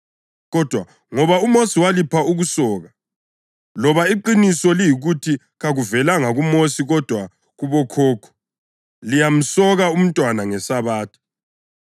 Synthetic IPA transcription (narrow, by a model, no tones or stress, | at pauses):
ɣɔd̥ʱwa | ŋɔβaumosiwalipʰauɣusɔːɣa | lɔβaiǃinisɔlijiɣutʰi | ɣaɣuvɛlaŋaɣumosiɣɔd̥ʱwa | ɣuβɔkʰɔːkʰɔ̥ | lijam̩sɔɣaum̩tʼwanaŋɛsaβaːtʰi̥